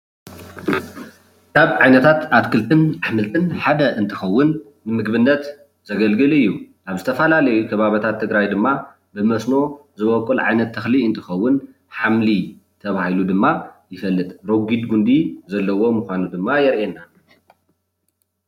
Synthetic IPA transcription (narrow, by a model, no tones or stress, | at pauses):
kaβʕajnɐt̪ʰat̪at̪kʰɨlt̪ʰɨnaħmɨlt̪ʰʼɨnħad̪ɐʔɨnt̪ʰɨxɐwːʊnː | ɨmɨɡbɨnːɐt̪ | zɐɡɐlɡɨlɨjːu | ʔaβzɨt̪ʰɐfɐlalɐjukʰɐβaβɐt̪ʰat̪ʰːɨɡɾajd̪ɨmːa | bɨmɐsno̞zɨβɐkʼːulʕa̰jnɐt̪ʰːɐxliɨnt̪ʰɨxɐwːʊn | ħamli | t̪ʰɐβahilud̪ɨmːajɪfɐlːɨt̪ʼɾoɡid̪ɡund̪izɐlːɐwo̞muxʷanud̪ɨmːajɛɾʔenːa